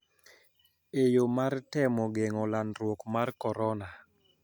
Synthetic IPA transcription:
ejomartɛmɔɡeŋɔlanɾwokmarkɔɾɔna

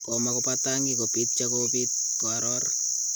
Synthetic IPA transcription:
kɔmakɔpataŋɡikopit̚t͡ʃakopit̪̚ | koaɾɔr

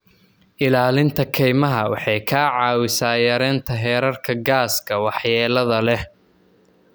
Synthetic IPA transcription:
ʔɪlaːlɪnt̪ʰɐkʰɛjmɐɦɐwɑ̰ħɑjkʰaːʕɑːwɪsaːjɐɾɛːnt̪ʰɐɦɛːɾɐrkʰɐɡaːskʰɐwɑħjɛːlɐðɐlɛ

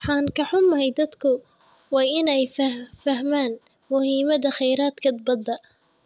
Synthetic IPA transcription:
ħaːnkaħʊmːhajd̪ɐd̪kʰʊ | wɛjʔɪnɛjfafɐhmaːn | mʊhiːmɐd̪ɐxɐjɾaːt̪kʰɐt̪̚bɑd̪ːɑʔ

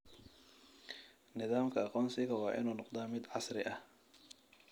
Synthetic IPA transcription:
nɪðaːmkʰɐɑqɔːnsɪɣɐwɑːʔɪ̰nuːnɔqd̪aːmɪd̪ʕɑsɾɪʔɐh

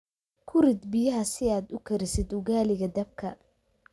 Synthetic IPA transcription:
kʰʊɾɪd̪bɪjɐɦɐsɪaːd̪ʊkʰɐɾɪsɪd̪ʊɣaːlɪɣɐd̪ɐb̚kʰɐ

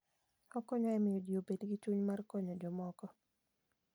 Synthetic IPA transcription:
ɔkɔɲɔɛmɪjɔdijobedɡit͡ʃuɲmarkɔɲɔd͡ʒɔmɔkɔ

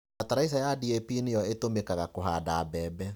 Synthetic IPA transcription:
ataɾaisajadiepinejɔetomekaɣakoɦadaːbɛːbɛ

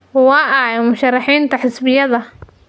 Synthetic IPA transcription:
wɑːʔɐɛmʊʃɐrːɑħiːnt̪ʰɐħɪsbɪjɐðɐ

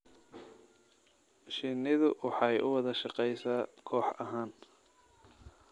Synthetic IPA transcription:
ʃɪnɪðʊwʔɑħɑjʔʊwɑðɐʃɑqɛjsaːkʰɔːħɐ̰ɦaːn

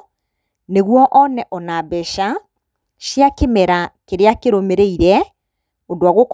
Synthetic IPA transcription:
neɣwɔʔɔnɛʔɔnabɛʃa | ʃjakemɛɾakeɾeakeɾomeɾeiɾɛ | odoaɣok

